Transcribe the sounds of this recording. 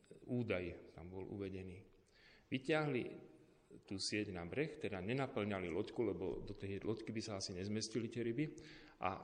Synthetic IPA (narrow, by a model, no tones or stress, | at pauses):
uːd̪ajt̪a̰mbɔlṵʋɛɟɛniː | ʋicɪaɦlḭ | t̪uːsɪɛɟnabɾɛxt̪ɛd̪aɲɛnapl̩ɲalilɔckulɛbɔ̰d̪ɔt̪ɛjlʔɔckibisaasiɲɛzmɛscilit̪ɪɛɾibiʔa̰